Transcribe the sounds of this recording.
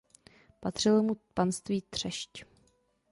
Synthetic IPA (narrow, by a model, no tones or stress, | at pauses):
pat̪r̝̥ɪlmupanst̪viːt̪r̝̥ɛʃc